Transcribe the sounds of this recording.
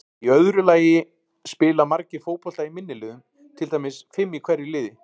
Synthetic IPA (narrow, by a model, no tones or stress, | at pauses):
iœðɾʏlaːjɪ | spɪːlamaɾcɪfoːwpɔl̥t̪aimɪnːɪlɪːðʏm | t̪ʰɪlt̪ajmɪsfɪmːikʰvɛɾːɪlɪːðɪ